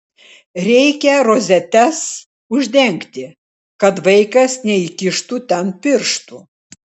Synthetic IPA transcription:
ɾʲɛɪkʲɛɾoːzʲɛt̪ʲɛs | ʊʒʲd̪ʲɛŋʲkt̪ʲɪ | kɐt̪ʋɐɪkɐsnʲɛikʲɪʃt̪uːt̪ʲɛnpʲɪɾʃt̪uː

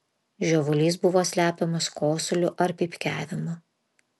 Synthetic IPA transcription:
ʒʲoːʋʊlʲiːsbʊʋoːsʲlʲæːpʲɛmɐskoːsʲʊlʲʊʔɐɾpʲipʲkʲæːʋʲɪmɐ

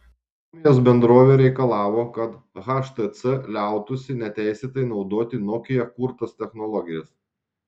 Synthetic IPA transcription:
s | umʲɪjoːs̬bʲɛnd̪ɾoːʋʲeːɾʲɛɪkɐlˠɑːʋoːkɐt̪ | ɣɑʃt̪ɐt̪sɛlʲæˑʊt̪ʊsʲɪnʲɛt̪ʲæˑɪsʲeːt̪ɐɪnɒʊd̪oːt̪ʲɪnɔkʲɪjɛkʊɾt̪ɐst̪ʲɛxnɔlˠɔɡʲɪjɛs

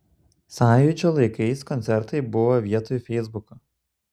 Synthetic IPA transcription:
sɑːjʊd͡ʒʲoːlˠɐɪkɐɪskɔnʲt̪sʲɛɾt̪ɐɪbʊʋoːʋʲiɛt̪ojfʲɛɪzbʊkɐ

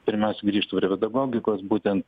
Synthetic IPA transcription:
pʲɪɾʲmʲɛˑʊsʲɛɡɾʲiːʃt̪upʲɾʲɛpʲɛd̪ɐɡoːɡʲɪkoːsbuːt̪ʲɛnt̪

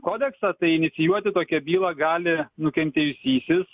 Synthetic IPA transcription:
koːd̪ʲɛksɑːt̪ɐɪɪnʲɪt̪sʲɪjuɔt̪ʲɪt̪oːkʲɛbʲiːlˠɑɡɑːlʲɪnʊkʲɛnʲt̪ʲeːjʊsʲiːsʲɪs

